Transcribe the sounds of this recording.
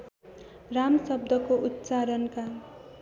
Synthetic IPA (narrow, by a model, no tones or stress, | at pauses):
ramʌsʌb̚d̪ʌkoʔut̪ːt͡saɾʌnka